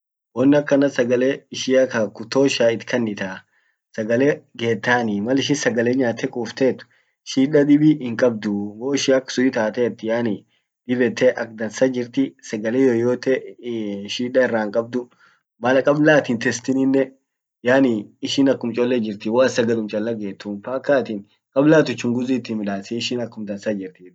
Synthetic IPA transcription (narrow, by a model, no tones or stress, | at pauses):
wɔnːɐkːɐnɐsɐɡɐleːɪʃɪɐkɐkʊt̪oːʃaːɪt̪kʰɐnːɪt̪aː | sɐɡɐleɡe̞ːt̪ːaːnimɐlɪʃ̬ɪnsɐɡɐleːɲːaːt̪ʰɛkʼuːft̪eːt̪ːʊ̥ | ʃiːᶑɐd̪ɪbihɪŋkʼɐb̚d̪ʊɡoːɪʃɪɐkːsʊɪt̪aːt̪ɛːt̪ːɪjaːni | d̪̥ɪbɛt̪ʰeʔɐk̚d̪ɐnsɐd͡ʒɪɾt̪ɪsɐɡɐleːjoːjoːt̪ɛ | ʃiːᶑɐɪrːaːŋkʼɐb̚d̪ʊ | mɐlkʼɐblaːt̪ɪnt̪ɛst̪ɪnɪnːɛ | jaːniɪʃɪnɐkːʊmt͡ʃʼɔlːɛd͡ʒɪɾt̪ɪwaːsɐɡɐlʊmt͡ʃʼɐlːɐɡe̞ːt̪ːʊnfaːkːaːt̪ɪn | kʼɐblaːt̪ʊt͡ʃːʊŋɡʊziːt̪ːɪnmɪᶑaːsɛɪʃɪnɐkːʊmd̪ɐnsɐd͡ʒɪɾt̪iː